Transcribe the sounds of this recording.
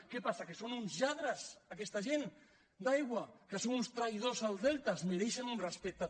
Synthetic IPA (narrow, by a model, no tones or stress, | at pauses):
kepasakesonunzʎaðɾazakest̪aʒen | d̪ajɣwakesonunst̪ɾajð̞ozalzðelˠt̪azmeɾeʃanunrespek̚t̪a